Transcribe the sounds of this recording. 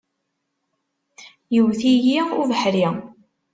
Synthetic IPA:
jəwθijiʊɾvəħɾi

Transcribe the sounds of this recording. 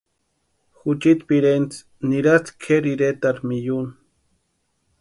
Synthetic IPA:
xut͡ʃit̪piɾent͡s | niɾat͡s̪kʰeɾiɾet̪aɾmijun

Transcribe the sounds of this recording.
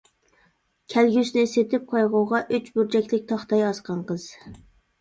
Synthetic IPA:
kʲʰælɡʲysnɪset̪ʰɪp̚qʰɑjʁoʁɑʔyt͡ʃbuɾd͡ʒɛkʲlɪk̚ʲt̪ʰɑχt̪ɑjɑsqɑnqəz̥

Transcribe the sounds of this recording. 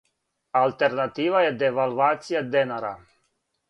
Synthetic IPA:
alt̪ɛɾnat̪iːʋajɛd̪ɛʋalˠvaːt̪sijad̪ɛnaɾa̰

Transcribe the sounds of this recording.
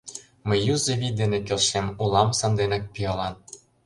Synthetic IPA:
məjːuzeβʲid̪enekelʃemulˠɑmsɑnd̪enɑk̚pijɑlɑn

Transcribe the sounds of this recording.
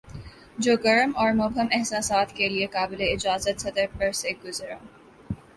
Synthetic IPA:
d͡ʒoːɡɐɾəmɔːɾmʊbʱəmɛɦsaːsaːt̪keliekaːbɪleɪd͡ʒaːzət̪sɐt̪əɾpɐɾseɡʊzɾã̰ː

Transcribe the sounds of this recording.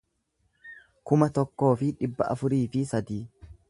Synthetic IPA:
kʊmɐt̪ɔkːo̞ːfɪᶑɪbːɐʔɐ̰fʊɾiːfɪsɐd̪iː

